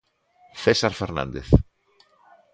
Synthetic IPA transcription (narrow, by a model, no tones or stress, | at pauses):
θesaɾfeɾnã̰nd̪eθ